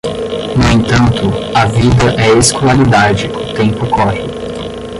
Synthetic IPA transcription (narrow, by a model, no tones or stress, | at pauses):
nʊẽnt̪ɐ̃nt̪ʊɐvid̪ɐʔɛeskolaɾid̪ad͡ʒɪʊt̪ẽmpʊkɔhɪ